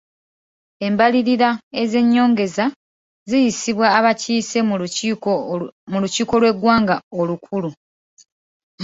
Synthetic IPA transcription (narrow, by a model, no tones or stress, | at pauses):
e̞mbaliɾiɾae̞ze̞ɲːo̞ːŋɡe̞za | zijisiβwaːβaciːse̞ | muluciːko̞lwe̞ɡwaːŋɡaolukʰulu